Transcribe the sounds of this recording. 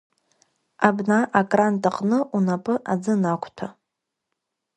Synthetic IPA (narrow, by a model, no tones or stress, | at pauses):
abnaʔakʼrantʼaqʼnɨʔunapʼɨʔad͡zɨnakʷʰʼtʷʰa